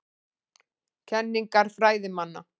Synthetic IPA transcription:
cʰɛnːiŋkaɾ̥fɾaːjðɪmanːa̰

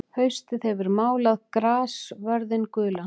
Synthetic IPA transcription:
hœɥst̪ɪðɛvʏɾmaːwlaðkɾaːsvœɾðɪnkʏːla

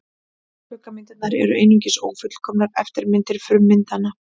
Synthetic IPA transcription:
pʏːkamɪnt̪ɪt̪naɾɛ̰ɾʏ̰ʔḛjniɲcɪso̰ːwfʏt̪l̥kʰɔːmnaɾɛft̪ɪɾmɪnt̪ɪɾ̥fɾʏmːɪnt̪ana

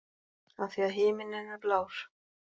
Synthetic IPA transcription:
aθiaðɦɪːmɪnɪnaɾplaːws

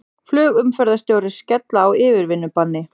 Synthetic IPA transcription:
flʏːɣʏmfœɾðast̪jowɾɪ̥scɛt̪laːwɪːvɪɾvɪnːʏpanːɪ

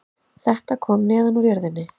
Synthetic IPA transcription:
θɛht̪akʰɔːmnɛːðanuɾjœɾðɪnːɪ

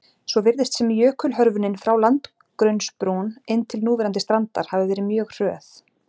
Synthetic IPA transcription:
sɔvɪɾðɪst̪sɛmjœːkʏlɦœɾvʏnɪnfɾawlant̪ | kɾœɥnspɾunenːt̪ʰɪlnuːvɛɾant̪ɪst̪ɾant̪a̰ɾ̥havɪvɛːɾɪmjœːɣr̥œːθ

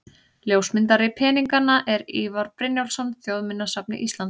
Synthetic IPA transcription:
ljowsmɪnt̪aɾɪpʰɛːniŋkanaʔɛɾiːvaɾpɾɪnjawlsɔnθjowðmɪnːasapnɪ̰ʔist̪lant̪

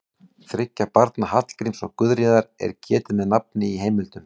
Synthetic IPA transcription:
θɾɪcːapaɾt̪nahat̪l̥kɾimsɔ̰kʏðɾjiðaɾɛ̰ɾ̥cʰɛːt̪ɪmɛðnap̚nɪiɦeːjmɪlt̪ʏm

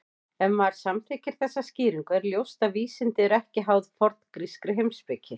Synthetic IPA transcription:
ɛnmaɾ̥samθecɪɾ̥θɛsːasciːɾiŋkʏɛɾljowst̪aviːsɪnt̪ɪɛɾɛhcɪɦawðfɔɾt̪nkɾiskɾɪɦejmspɪcʰɪ

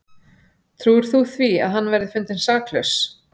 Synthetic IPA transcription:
t̪ʰɾuːɾ̥θuθvia̰ðɦanːvɛɾðɪfʏnt̪ɪnsaːklœs

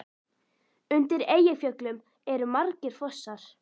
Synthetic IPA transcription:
ʏnt̪ɪɾeːjɪfjœklʏm | ɛɾʏmaɾcɪɾ̥fɔsːaɾ̥

